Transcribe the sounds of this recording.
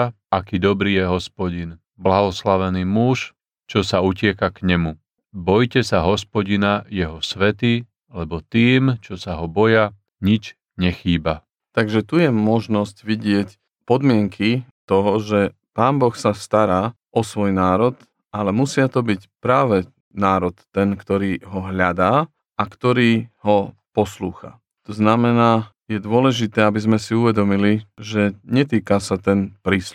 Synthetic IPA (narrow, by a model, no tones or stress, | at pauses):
akiːd̪ɔbɾiːjɛɦɔspɔɟin | blaɦɔslaʋɛniːmuʃ | t͡ʃɔsaucɪɛkakɲɛmu | bɔjcɛsaɦɔspɔɟinajɛɦɔsʋɛt̪iː | lɛbɔt̪iːmt͡ʃɔsaɦɔbɔja | ɲit͡ʃ | ɲɛxiːba | t̪aɡʒɛt̪ujɛmɔʒnɔscʋiɟɪɛc | pɔd̪mɪɛŋkʰit̪ɔɦɔʒɛ | paːmbɔxsast̪aɾaː | ʔɔsʋɔjnaːɾɔt̪ | ʔalɛmusɪat̪ɔbicpɾaːʋɛ | naːɾɔt̪ːɛnkt̪ɔɾiːɦɔɦʎad̪aː | akt̪ɔɾiːɦɔpɔsluːxa̰ | t̪ɔznamɛnaː | jɛd̪ʊɔlɛʒit̪ɛːabizmɛsiuʋɛd̪ɔmiliʒɛɲɛt̪iːkasat̪ɛnpɾiːslu